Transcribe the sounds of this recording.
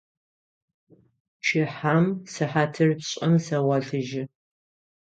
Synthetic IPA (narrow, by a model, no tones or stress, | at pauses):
t͡ʃʰɪħaːmsɨħaːtʰɨrpɕʼɐmsɐwɐɬɨʒɪ